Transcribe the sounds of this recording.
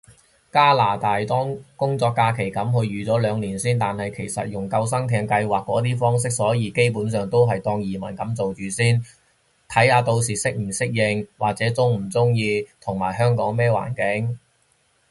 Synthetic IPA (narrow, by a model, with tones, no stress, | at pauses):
kaː˥laː˨˩t̪aː˨jt̪ɔː˥ŋkʊ˥ŋt͡sɔː˧kːaː˧kʰe˨˩jkɐ˨˥mhɵ˧ɥɥyː˨t͡sɔː˨˥lœː˨˧ŋliː˨˩nsiː˥nt̪aː˨nhɐ˨jkʰe˨˩jsɐ̰˨t̚jʊ˨˩ŋkɐ˧ws̬ɐ˥ŋt̪ʰɛː˧ŋkɐ˧jwaː˨kːɔː˨˥t̪iː˥fɔː˥ŋs̬ɪ˥k̚sɔː˨˥jiː˨˧ke˥jpuː˨˥nsœː˨ŋt̪o˥wɦɐ˨jt̪ɔː˧ŋjiː˨˩mɐ˨˩nkɐ˨˥mt͡so˨wt͡ʃyː˨˧siː˥n | t̪ʰɐ˨˥jhaː˧t̪o˧wsiː˨˩sɪ˥k̚m̩˨˩sɪ˥k̚jɪ˨˧ŋwa̰ː˨˩k̚t͡sɛː˨˥t͡sʊ˥ŋm̩˨˩t͡sʊ˥ŋjiː˧t̪ʰʊ˨˩ŋmaː˨˩jɦœː˥ŋkɔː˨˥ŋmɛː˥wa̰ː˨˩nkɪ˨˥ŋ